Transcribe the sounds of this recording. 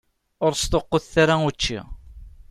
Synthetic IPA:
ʊɾst̪oqːoðθaɾaut͡ʃːḭ

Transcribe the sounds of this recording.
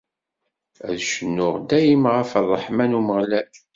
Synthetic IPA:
æ̰ðʃənːʊʁd̪æjimʁəfəðˤːəħmænuməʁlæl

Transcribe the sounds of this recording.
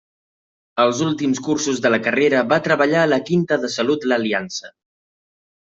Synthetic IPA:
əlˠzulˠt̪imskursuzðələkəreɾəβat̪ɾəβəʎaələkint̪əðəsəlut̪ləːliansə

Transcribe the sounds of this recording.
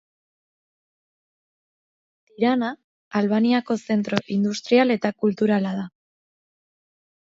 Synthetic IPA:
t̪iɾanaː | lβaniako̞se̞nt̪ɾo̞ʔind̪ust̪ɾiale̞t̪akult̪uɾalað̞a

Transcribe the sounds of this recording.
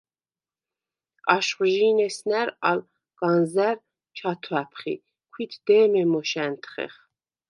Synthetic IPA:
ɑʃχʒinɛsnæɾɑl | ɡ̥ɑnzæɾ | t͡ʃʰɑt̪ʰwæpʰχḭ | kʰit̪ʰd̪̥ɛːmɛmɔʃænt̪ʰχɛ̰χ

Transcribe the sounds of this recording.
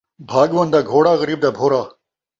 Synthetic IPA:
bʱaːɡʋɐnd̪aːɡʱoːɽaːɣɐɾiːb̚d̪aːbʱoːɾaː

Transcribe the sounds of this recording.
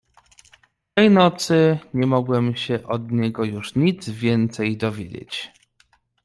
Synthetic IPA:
t̪ɛjnɔt̪sɘɲɛmɔɡwɛmɕɛʔɔd̪ɲɛɡɔjuʂɲid̪zvʲjɛnt̪sɛjd̪ɔvʲjḛd͡ʑḛt͡ɕ

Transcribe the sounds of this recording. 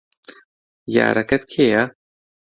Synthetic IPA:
ja̰ːɾɐkɐt̪kʰeja

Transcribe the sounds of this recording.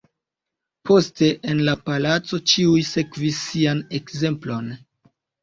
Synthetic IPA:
pʰo̞ste̞ʔenlapalat͡so̞t͡ʃiujse̞kvisːiane̞kze̞mplo̞n

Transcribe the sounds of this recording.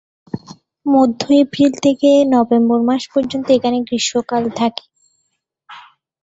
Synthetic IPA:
mod̪ʱːojpʰilt̪ʰekenɔbemboɾmaʃpɔɾd͡ʑont̪oekʰaneɡɾiʃokalt̪ʰake̥

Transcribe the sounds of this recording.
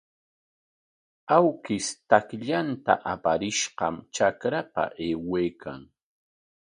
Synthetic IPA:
awkɪst̪akʎant̪a̰ʔapaɾɪʃɢɑmt͡ʃakɾapa̰ʔeːweːkʰa̰ŋ

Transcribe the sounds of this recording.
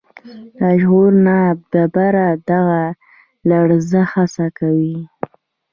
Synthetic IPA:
aʒɣuɾnab̚d̪abaɾad̪aɣa | laɽzəxasakawi

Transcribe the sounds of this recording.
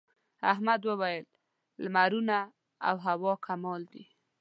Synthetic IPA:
aɦmad̪wəwajəlː | maɾuna | a̰wɦawɑkʰamɑld̪i

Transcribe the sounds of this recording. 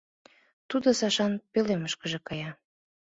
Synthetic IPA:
t̪ud̪osɑʃɑnpeleməʃkəʒĕkɑjɑ

